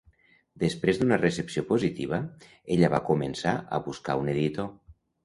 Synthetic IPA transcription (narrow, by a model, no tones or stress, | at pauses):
d̪espɾezd̪unəresepsiopozit̪iβ̞ə | eʎəβakumənsaʔə̰βuska̰uneðit̪o